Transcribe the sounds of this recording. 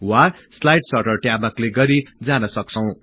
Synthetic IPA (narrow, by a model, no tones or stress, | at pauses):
wa | slajʈsʌrʈʌrʈjamakleɡʌɾid͡zanʌsʌk̚t͡sʰʌw̃